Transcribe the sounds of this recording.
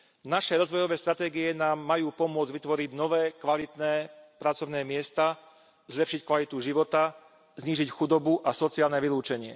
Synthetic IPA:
naʃɛɾɔzʋɔjɔʋɛːst̪ɾat̪ɛːɡiɛnaːmːajuːpɔmʊɔd͡zd͡ʑʋit̪ʋɔɾiɟnɔʋɛːkʋalit̪nɛːpɾat͡sɔʊnɛːmɪɛst̪a | zlɛpʃickʋalit̪uʒiʋɔt̪a | zɲiːʒicxud̪ɔbuʔasɔt͡siaːlnɛʋiluːt͡ʃɛɲɪɛ̰

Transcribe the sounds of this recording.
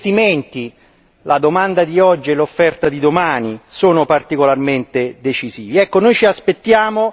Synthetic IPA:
t̪iment̪i | lʔad̪omand̪ad̪iɔd͡ʒːielːofːɛrt̪ad̪id̪omaːnisoːnopart̪ikolarment̪ed̪et͡ʃiziːviɛkːonojt͡ʃiaspet̪ːjaːmo

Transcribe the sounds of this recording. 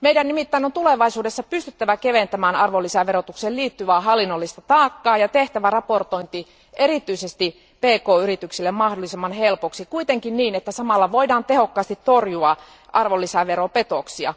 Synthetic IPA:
meijdænnimit̪ːæinont̪uleʋɑisuːdesːɑpyst̪yt̪ːæʋækeʋent̪æmæːnɑrʋolːisæʋerot̪ukseːlliːt̪ːyʋæːɦɑlːinːolːist̪ɑt̪ɑːkːɑːjɑt̪eht̪æʋærɑport̪oint̪i | ʔeɾit̪yisest̪i | peːkoːyɾit̪yksilːemmɑhdolːˑisemːɑnhelpoksikuit̪eŋkinniːnet̪ːæsɑmɑlːɑʋoidɑːnt̪ehokːɑːst̪it̪torjuɑ | ʔɑrʋolːisæʋeɾopet̪oksiɑ̰

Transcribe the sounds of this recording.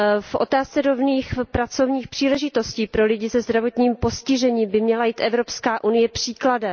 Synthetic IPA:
fʔo̞̰t̪aːst͡sɛɾo̞vniːxpɾat͡so̞vɲiːxpr̥iːlɛʒɪt̪o̞sciːpɾo̞lɪɟɪsɛzd̪ɾavo̞t̪ɲiːmpo̞scɪʒɛɲiːmbɪmɲɛlajiːt̪ʔɛvɾo̞pskaːʔunɪjɛpr̝̥iːkladɛ

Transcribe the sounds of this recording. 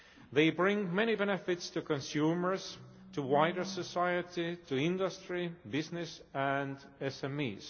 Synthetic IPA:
ðeɪbɹɪ̃ŋmɛñibɛnɨfɪtstukɔ̃nsumə˞z | tʰuwaɪdə˞səsajətituɪ̃ndəstɹibɪznɪsæ̃nd | ɛsɛ̃mḭz̥

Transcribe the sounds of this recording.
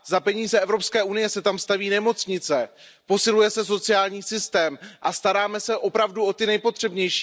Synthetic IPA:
zapɛɲiːzɛʔɛvɾopskɛːʔunɪjɛsɛt̪amst̪aviːnɛmo̞t͡sɲɪt͡sɛ | po̞sɪlujɛsɛso̞t͡sɪjaːlɲiːsɪst̪ɛːmʔast̪aɾaːmɛsɛʔo̞pɾavduʔo̞t̪ɪnɛjpo̞t̪r̝̥ɛbɲɛjʃi̥ː

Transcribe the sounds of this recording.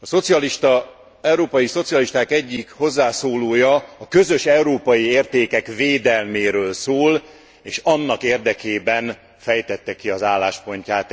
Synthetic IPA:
ɒso̞t̪siɒliʃt̪ɒ | ɛwɾoːpɒjiso̞t̪sijɒliʃt̪aːkɛɟːikho̞zːaːsoːloːjɒɒkø̞zøʃɛuɾoːpɒjieːrt̪eːkɛkveːd̪ɛlmeːɾøːlsoːl | eːʃɒnːɒkeːrd̪ɛkeːbɛn | fɛjt̪ɛt̪ːɛkiɒzaːlːaːʃpo̞ɲcaːt̪

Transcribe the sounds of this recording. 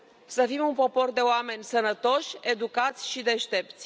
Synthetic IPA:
səfimunpo̞po̞rd̪e̞oame̞nʲsənət̪o̞ʃʲe̞d̪ukat̪sʲʃid̪e̞ʃt̪e̞p̚t̪sʲ

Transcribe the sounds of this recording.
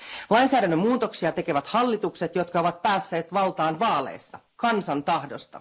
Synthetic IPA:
lɑjnsæːɾænːømmuːt̪o̞ksiɑt̪e̞ke̞ʋæt̪hɑlːit̪ukse̞t̪jo̞t̪kɑo̞ʋɑt̪̚pæːsːe̞ːt̪ʋɑlt̪ɑːnʋɑːlḛsːɑ | kɑnsɑnt̪ɑhdo̞st̪ɑ̰

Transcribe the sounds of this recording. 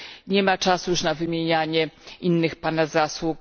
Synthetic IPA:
ɲɛmat͡ʂasujuʂnavɘmʲjeɲaɲɛinːɘxpanazaswuk

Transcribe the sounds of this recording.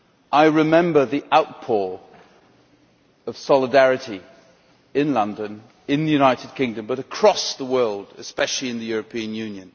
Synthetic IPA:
ʔaɪɹɨmɛ̃mbə˞ðiʔaʊt̚pʰɔɹ | ʌv̥sɑlˠədæɹɨɾi | ɪ̃nlʌ̃ndɨ̃n | ɪ̃nðɨjʉnaɪɾɨd̚kʰɪ̃ŋdɨ̃mbʌɾəkʰɹ̥ɔsðəwɜ˞lˠdɨ̰spɛʃl̩ˠiɨ̃nðɨjʊɹɨpʰĩɨ̃njʉ̃njɨ̃n

